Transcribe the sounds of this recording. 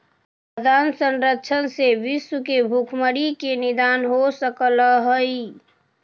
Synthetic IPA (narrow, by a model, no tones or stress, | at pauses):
əd̪ʱansənɾəkːt͡ʃʰənseʋɪswəkebʱukʰməɽikenɪd̪aːnɦosəkələɦəi